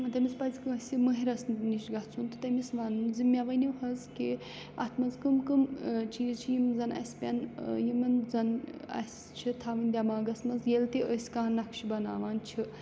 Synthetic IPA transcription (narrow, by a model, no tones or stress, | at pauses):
ɐt̪ɐmʲispɐzʲikɨɐsʲimɨɦiɾɐsniʃɡɐt͡sʰunt̪ɨ̥t̪ɐmisʋaːnɨnzimʲaʋɐniwɦɐzke | ɐ̰t̪ʰmɐzkɨmkɨmt͡ʃʰiːzt͡ʃʰijimzɐnɐ̰sʲpʲɐnjimɐnzɐnɐ̰sʲ | t͡ʃʰit̪ʰaːʋɐnʲd̪ʲamaːɡɐsmɐzjelt̪iəsʲkaːnːɐkʃʰibɐna̰ːʋaːnt͡ʃʰi